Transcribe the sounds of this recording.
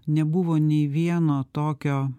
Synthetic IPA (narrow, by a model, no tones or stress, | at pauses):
nʲɛbʊʋoːnʲɛɪʋʲiɛnoːt̪oːkʲoː